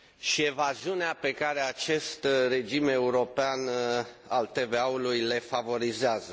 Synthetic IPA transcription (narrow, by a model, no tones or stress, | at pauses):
ʃie̞vaziuneape̞kaɾe̞at͡ʃe̞st̪re̞d͡ʒime̞uɾo̞pean | alt̪e̞ve̞aulujle̞favo̞ɾizeazə